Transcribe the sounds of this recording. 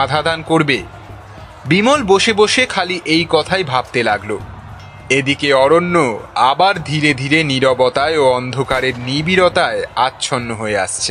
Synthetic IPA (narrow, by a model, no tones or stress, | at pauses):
ad̪ʱad̪ankoɾbe | bimolboʃeboʃekʰaliʔejkɔt̪ʰajbʱab̚t̪elaɡlo | ed̪ikeɔɾonːoabaɾd̪ʱiɾed̪ʱiɾeniɾobɔt̪aeoɔnd̪ʱokaɾeɾnibiɾot̪aeatːɕʰonːoɦoea̰ʃt͡ɕʰe